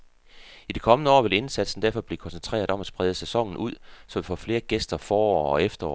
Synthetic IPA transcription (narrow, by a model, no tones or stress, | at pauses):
id̥ikʰɒ̽mənəɒ̰ːʋe̝le̝nsæd̥sn̩d̥æɐfɒ̽b̥le̝kʰɒ̽nsent͡sʰʁḛːɐðˠɒ̽mæd̥sb̥ʁɛðˠəsæsɒ̽ŋ̰n̩uð̞̰ˠsɒ̽ʋifɒ̰ːfle̝ːɐɡ̥esd̥ɐfɒːɒ̰ɒefd̥ɐɒ̰